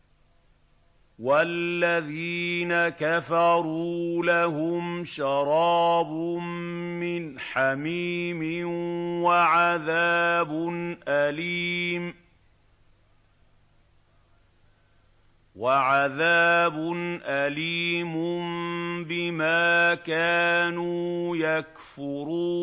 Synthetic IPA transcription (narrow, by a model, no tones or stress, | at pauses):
walːaðiːnakafɑɾˤuːlahʊmʃɑɾˤɑːbʊmː | ɪnħamiːmɪnwaʕaðaːbʊnʔaliːm | waʕaðaːbʊnʔaliːmʊmbɪmaːkaːnuːjak | fʊɾuː